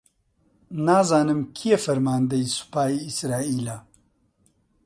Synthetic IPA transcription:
naːzaːnɐmkʰijefɐɾmaːnd̪ɐjsu̥paːiːsɾaːiːlaː

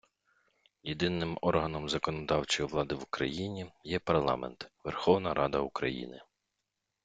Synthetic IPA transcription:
jed̪ɪnːɪmɔrɦɐnɔmzɐkɔnɔd̪ɑwt͡ʃɔjiʋlˠɑd̪ɪʋʊkɾɐ̰jinʲijɛpɐrlˠɑ̰mɛ̰nt̪ʋerxɔwnɐɾʔɑd̪ɐukɾɐ̰jḭnɪ

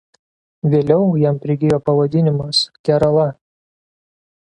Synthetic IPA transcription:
ʋʲeːlʲɛʊjɛmpʲɾʲɪɡʲɪjoːpɐʋɐd̪ʲɪnʲɪmɐskʲɛɾɐlˠɐ

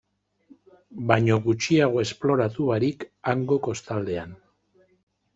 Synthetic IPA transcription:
baɲo̞ɣut͡ʃiaɣ̞o̞e̞splo̞ɾat̪uβaɾikaŋɡo̞ko̞st̪ald̪e̞an

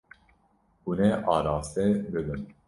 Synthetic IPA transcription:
unɛʔɑːɾɑːst̪ɛbɨbɨn

